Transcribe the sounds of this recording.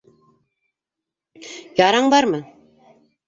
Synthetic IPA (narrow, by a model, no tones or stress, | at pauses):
jɑɾɑɴbɑɾmɤ